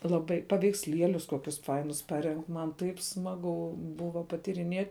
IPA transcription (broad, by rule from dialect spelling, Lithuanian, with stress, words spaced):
lˠɐˈbɐɪ pɐʋʲɛɪksʲˈlʲiɛlʲʊs ˈkoːkʲʊs ˈfɐɪnʊs ˈpɑːrʲɛŋk mɐn ˈtɐɪp ˈsmɑːɡʊ ˈbʊʋɐ pɐtʲiːrʲɪˈnʲiɛtʲ